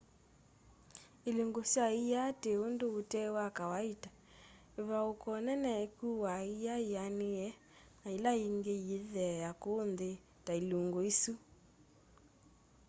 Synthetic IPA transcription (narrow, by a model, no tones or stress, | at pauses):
eluŋɡosjaijateondootɛwakawaitḁ | eβaokɔnɛnɛkuwaijaianeɛ | ailaiŋɡeiðɛjakonðe | tailuŋɡoisu